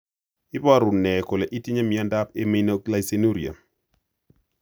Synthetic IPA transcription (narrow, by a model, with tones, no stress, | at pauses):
ɪ˦ba˦ɾu˨nːɛ˨ko˨lɛ˨ʔi˦ti˦ɲa˦mi˨a˦nda˦pe˦mi˦no˦kla˦˨jse˦nu˦ɾi˨a̰˨